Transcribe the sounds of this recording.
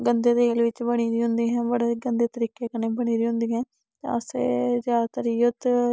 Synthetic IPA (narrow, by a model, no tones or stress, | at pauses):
ɡənd̪eːd̪eːlʋɪt͡ʃbəɽ̃iːd̪iːɦʊ̃nd̪iːɦɛ̃ːbəɽeːɡənd̪eːt̪əɾiːkeːkənːeːbəɽ̃iːɾiːɦʊ̃nd̪iːɦɛ̃ː | t̪ã̰əsḛːd͡ʒaːat̪əɾiːət̪